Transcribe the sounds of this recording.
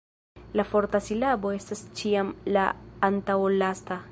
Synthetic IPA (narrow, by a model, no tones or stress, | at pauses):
lafoɾt̪asilabo̞est̪ast͡ʃiamla̰ːnt̪awolast̪a